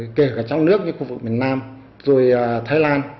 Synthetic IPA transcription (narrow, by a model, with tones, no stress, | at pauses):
ke˧˩kaː˧˩t͡ɕɔ˧wŋ͡mnɨ˦˥ək̚ɲɨ̰˧ŋxu˧vɨ˨˩k̚mi˨˩ənaː˧m | zo˨˩jt̪ʰaː˧jlaː˧n